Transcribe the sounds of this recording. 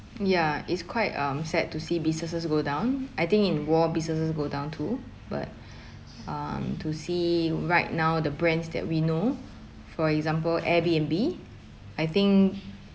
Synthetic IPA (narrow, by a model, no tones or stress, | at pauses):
jaitskʰwaɪtʌ̃msɛttːusibisnəsəsɡodãʊ̃najt̪ɪ̃ŋkĩnwɔbisəs̬əs̬ɡodãʊ̃ntʰu | ba̰t̚ | ʌ̃mtʰusiɹaɪt̚naʊdəbɹɛ̃nsdɛ̰t̚wino | fɔɹɛkzãmpəlʔɛbiɛ̃nbi | ajt̪ɪ̃ŋk